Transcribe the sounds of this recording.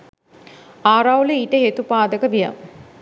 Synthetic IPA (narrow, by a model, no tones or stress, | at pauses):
aːɾawleiʈəɦet̪upaːd̪əkəbija̰m